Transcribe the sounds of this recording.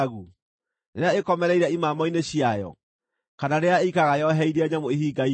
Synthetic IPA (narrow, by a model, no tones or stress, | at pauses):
ɣu | neɾeaekɔmɛɾɛiɾaimaːmɔineɕiajɔ̰ | kanaɾeaikaɣajɔɦɛiɾaɲamoeɦiɡai